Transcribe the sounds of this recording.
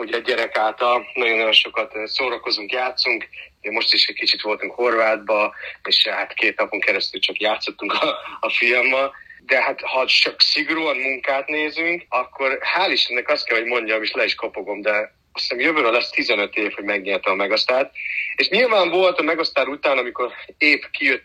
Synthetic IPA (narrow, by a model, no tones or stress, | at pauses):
uɟɛːɛɾɛkaːlt̪ɒlnɒɟo̞nːɒjo̞nʃo̞kɒt̪soːɾɒko̞zuŋkjaːt̪suŋkɟɛmo̞ʃt̪iʃɛc̚kit͡ʃit̪ʋo̞lt̪uŋkho̞rvaːd̪̚bɒeːʃhat̪keːt̪nɒpo̞ŋkɛɾɛst̪ylt͡ʃɒkjaːt̪so̞t̪ːuŋkɒːfilmːɒd̪ɛɦat̪hɒt͡ʃɒksiɡoɾuːɒnmuŋkaːt̪neːzyŋkɒkʰːo̞rhaːliʃɛnːɛkɒst̪̚kɛlho̞ɟmo̞ɲɟɒmeːʃlɛiʃko̞po̞ɡo̞md̪ɛ | ɒsnmjøvøːɾølɛst̪izɛnø̞t̪eːfho̞ɟmɛɡɲeːrt̪ɛmɒmɛɡost̪aːt̪eːʃɲilvaːɱvo̞lt̪ɒmɛɡost̪aːɾut̪aːnɒmiko̞ɾeːpkijøt̪ː